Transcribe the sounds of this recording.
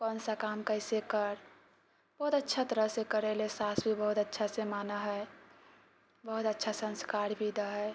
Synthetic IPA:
kɔnsakaːmkəɪsekəɾ | b̥əɦʊt̪ətːʃʰat̪əɾəɦsekəɾelesaːsbʱibəɦʊt̪ətːʃʰasemaːnaɦɛ | bəɦʊt̪ətːʃʰasə̃nskaːɾbʱid̪aɦɛː

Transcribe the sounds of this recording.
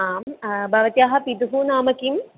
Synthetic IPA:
aːmbʱɐʋɐt̪jaːɦɐ̆pid̪uɦunaːmɐkim

